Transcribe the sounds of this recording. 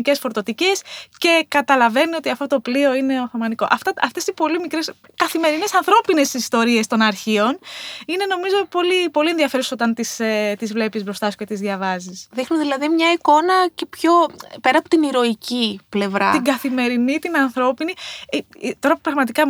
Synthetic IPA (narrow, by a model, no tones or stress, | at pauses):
ce̞sfo̞ɾt̪o̞t̪icesce̞kɐt̪ɐlɐve̞nio̞t̪iɐft̪o̞t̪oplio̞ine̞o̞θɐmɐniko̞̰ʔɐft̪ɐɐft̪e̞sipo̞limikɾes | kɐθime̞ɾine̞sɐnθɾo̞pine̞sist̪o̞ɾie̞st̪o̞nɐɾçio̞nine̞no̞mizo̞po̞lipo̞lie̞nðiɐfe̞ɾuso̞t̪ɐnt̪iset̪izvle̞pizbɾo̞st̪ɐsu̥ce̞t̪izðʝɐvɐzisðixnuðilɐðimɲɐiko̞nɐcepço̞pe̞ɾɐpot̪iniɾo̞iciple̞vɾɐ̰t̪iɡɐθime̞ɾinit̪inɐnθɾo̞pini | t̪o̞ɾɐpupɾɐɣmɐt̪ikɐ